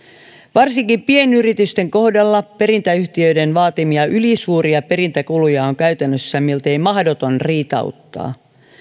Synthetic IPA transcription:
ʋɑrsiŋkipienyrit̪yst̪e̞ŋko̞hdɑlːɑpe̞ɾint̪æyht̪iøidenʋɑːt̪imiɑʔylisuːɾiɑpe̞ɾint̪ækulujɑoŋkæyt̪ænːøsːæmilt̪e̞jmɑhdot̪o̞nriːt̪ɑ̰ut̪ːɑ̰ː

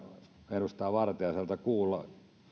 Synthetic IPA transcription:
enust̪ɑːʋɑrt̪eɑsɑlt̪ɑkuːlːɑ

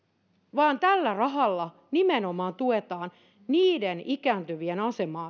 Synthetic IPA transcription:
ʋɑːnt̪ælːærɑɦɑlːɑ | nimenomɑːnt̪uet̪ɑːn | niːdenikæːnt̪yʋienɑsemɑː

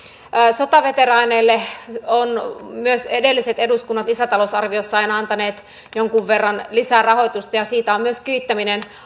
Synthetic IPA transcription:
sot̪ɑʋet̪erɑineːlːeonmyøsedelːiset̪eduskunːɑt̪isæt̪ɑlosɑrʋiosːɑɑinɑnt̪ɑneːt̪ | joŋkuʋʋerːɑnlisærɑho̞jt̪ust̪ɑjɑsiːt̪æommyøskyit̪ːæminen

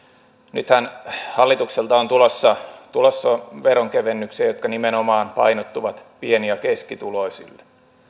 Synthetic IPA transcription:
nyt̪hænhɑlːit̪ukselt̪ɑont̪ulosːɑt̪ulosːɑʋeɾoŋkeʋenːykseːjot̪̚kɑnimenomɑːnpɑ̰inot̪ːuʋɑt̪pieniɑkeskit̪uloisḭlːe̥

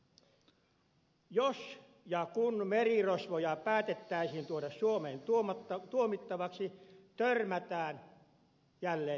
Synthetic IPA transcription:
jos | jɑkunmerirosʋojɑpæːt̪et̪ːæisint̪uodɑssuomeːnt̪uoɑt̪ːɑt̪uomit̪ːɑʋɑksit̪ørmæt̪æːn | jælːeː

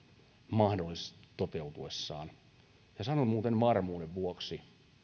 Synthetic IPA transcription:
mɑhdolːˑiset̪ot̪eut̪uesːɑ̰ːn | jɑsɑnomuːt̪enʋɑrmuːdeʋʋuoksi

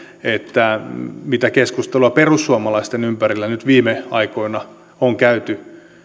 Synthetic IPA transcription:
et̪ːæmit̪ækeskust̪eluɑperusːuɑmɑlɑist̪enympærilːænyt̪ʋiːmeɑikoinɑ | oŋkæyt̪y

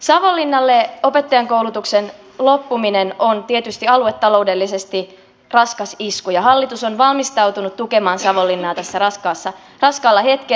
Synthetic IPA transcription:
sɑʋolːinːɑlːeo̞pet̪ːɑjɑŋkowlut̪uksen | lopːuminenont̪iet̪yst̪iɑluet̪ːɑlo̞ude̞lːise̞st̪i | rɑskɑsiskujɑɦɑlːit̪usonʋɑlmist̪ɑwt̪unut̪t̪ukemɑːnsɑʋolːinːɑːt̪æsːærɑskɑːsːɑ | rɑskɑːlːɑhe̞t̪ke

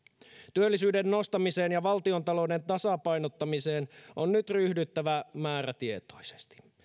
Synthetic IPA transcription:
t̪yølːisyːdenːo̞st̪ɑmise̞ːnjɑʋɑlt̪io̞nt̪ɑloude̞nt̪ɑsɑpɑjnot̪ːɑmise̞ːnʔonnyt̪ryhdyt̪ːæʋæmæːɾæt̪ie̞t̪o̞̥jse̥st̪i̥

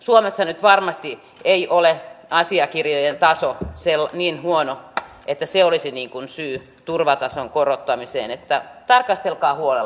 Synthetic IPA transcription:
suomesːɑnyt̪ʋɑrmɑst̪i | eiʔoleʔɑsiɑkirjojent̪ɑsoselːniːnhuono | et̪ːæseolisiniːŋkunsyː | t̪urʋɑt̪ɑsoŋkorot̪ːɑmisḛːnet̪ːæt̪ɑrkɑst̪elkɑːhuole

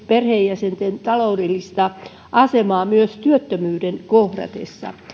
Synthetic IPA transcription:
perheːjjæsent̪ent̪ɑloudelːist̪ɑ | ʔɑsemɑːmyøst̪yøt̪ːømyːdenkohdɑ̰t̪ḛsːɑ̰

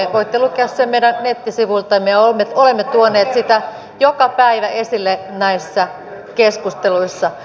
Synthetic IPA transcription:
ʋoit̪ːelukeɑssemmeiɾæŋnet̪ːisiʋuilt̪ɑmeolmːetolemːet̪uoneːt̪sit̪æ | jokɑpæiʋæʔesilːenæisːæ | keskust̪eluisːɑ

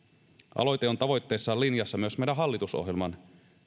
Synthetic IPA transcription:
ʔɑ̰lo̞jt̪eo̞nt̪ɑʋo̞jt̪ːe̞ːsːɑːlinjɑsːɑmyøsmejdæɦɑlːit̪uso̰ɦjelmɑn

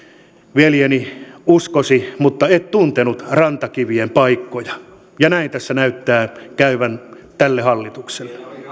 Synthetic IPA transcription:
ʋeljeniuskosimut̪ːɑet̪t̪unt̪enut̪rɑnt̪ɑkiʋiempɑikːojɑ | jɑnæint̪æsːænæyt̪ːæːkæyʋæn | t̪ælːehɑlːit̪ukselːe̥

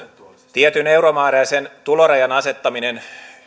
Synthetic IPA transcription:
t̪iet̪yne̞wɾomɑːɾejsent̪uloɾejɑnɑse̞t̪ːɑminen

